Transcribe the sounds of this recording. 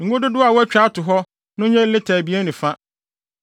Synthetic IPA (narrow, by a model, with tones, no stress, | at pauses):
ŋ̩˨ɡʊ˦dʊ˦dʊ˦a˨wɔ˦æ˦t͡ɕᶣa˦tʊ˨ɦɔ˦ | nʊ̃˦ɲɛ̃˦lɪ˦tʰɛː˨bi˨˦e˦nʊ̃˨fã˦